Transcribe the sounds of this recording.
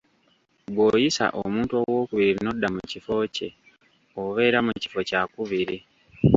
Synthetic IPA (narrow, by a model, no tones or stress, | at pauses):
ɡwo̞ːjisa̰ʔo̰muːntuo̞wo̞ːkuβiɾino̞dːamucifo̞ce̞̰ | oβe̞ːɾamuci̥fo̞cakuβiɾi